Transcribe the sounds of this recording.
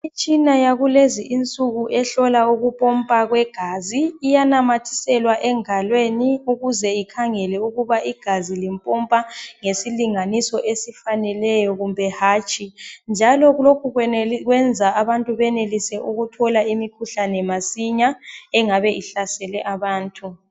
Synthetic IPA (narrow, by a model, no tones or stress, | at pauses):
it͡ʃʼinajaɣuleziʔint͡sʼuɣuʔɛɬɔlauɣupʼɔmpʼaɣwɛɡ̥ʱaziːjanamatʰi̥sɛlwaʔɛŋalweniuɣuzɛikʰaŋɛlɛuɣuβaʔiɡ̥ʱazilimpʼɔmpʼaŋesiliŋanisɔʔesifanɛlɛjɔɣumbʱɛhaːt͡ʃʼind͡ʒʱalɔɣlokʰuɣwɣwɛnd͡zʱaaβantʼuβɛnelisɛʔuɣutʰɔlaimikʰuɬanɛmasiɲaɛŋaβɛʔiɬasɛlɛʔaβaːntʼu